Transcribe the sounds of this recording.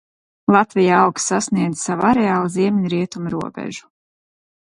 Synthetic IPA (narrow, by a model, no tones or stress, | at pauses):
lˠat̪vijaawksasniɛd̪zsavaɾɛaːlˠziɛmʲiɲɾiɛt̪umɾuɔbɛ̰ʒu̥